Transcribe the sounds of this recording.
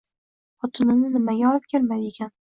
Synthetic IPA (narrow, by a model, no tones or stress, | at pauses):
ɒt̪ʰʊnɪnɪnɪmaɡʲaɒlɪp̚kʲʰe̞lmaje̞kʲan